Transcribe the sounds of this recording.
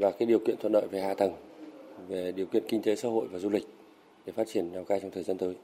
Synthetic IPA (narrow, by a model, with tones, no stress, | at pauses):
laː˨˩kaː˨˦jɗi˨˩əwkḭ˧˨ət̪ʰwə˧˨nɗə̰ː˧˨jve˨˩ha̰ː˧˨t̪ə˨˩ŋve˨˩ɗi˨˩əwkḭ˧˨ənkï˧ŋ̟t̪e˨˦saː˧ho̰˧˨jvaː˨˩zu˧lï˨˩k̟̚ | ɗe˧˩faː˦˥t̚t͡ɕi˧˩ənnaː˨˩wkaː˧jt͡ɕɔ˧ŋ͡mt̪ʰəː˨˩zaː˧nt̪əː˨˦j